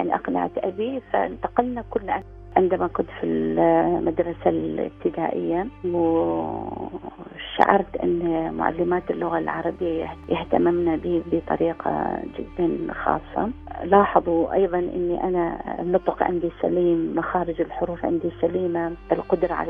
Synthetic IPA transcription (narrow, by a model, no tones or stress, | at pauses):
jaʕniʔɑqna̰ʕa̰t̪ʔabifa̰ʔɪnt̪aqɪlnakʊlːʔa | ʕɪnd̪amakʊnt̪filmad̪ɾˤɑsalɪ̰b̚t̪ɪd̪aːʔɪjːaw | ʃa̰ʕɑ̰ɾˤt̪ʔɪ̰nːmʊ̰ʕa̰lːɪmaːt̪ɪlːʊɣalʕɑ̰ɾˤɑbɪjːajjɪht̪amɪmnabiːbət̪ˤɑ̰ɾiːqʰɑ̰d͡ʒɪ̰d̪ːanxɑ̰ːsˤːɑ̰lɑːħɑðˤwʔɑ̰jðˤɑnʔɪ̰nːiʔananʊt̪ˤʊqʕɪ̰nd̪isa̰liːmːaxaːɾɪd͡ʒɪlħʊɾuːfʕɪ̰nd̪isːaliːmaʔɪlqʊd̪ɾˤɑʕa̰l